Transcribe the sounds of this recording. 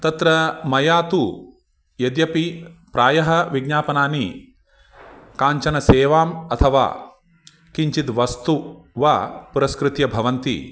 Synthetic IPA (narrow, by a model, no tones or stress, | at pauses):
t̪ɐt̪ɾɐmɐjaːt̪u | jɐd̪jɐpipɾaːjɐɦɐʋiɡɲaːpɐnaːni | kaːɲt͡ʃɐnɐseːʋaːmɐt̪ʰɐʋa̰ː | kiɲt͡ʃit̪ʋɐst̪uʋɐpuɾɐskɾut̪jɐbʱɐʋɐnt̪ḭ